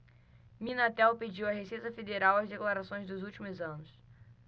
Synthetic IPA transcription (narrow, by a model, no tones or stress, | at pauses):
mĩnat̪ɛwped͡ʒiwɐɦeset̪ɐfed̪eɾawɐzd̪eklaɾasõj̃zd̪ʊzuwt͡ʃimʊzɐ̃nʊs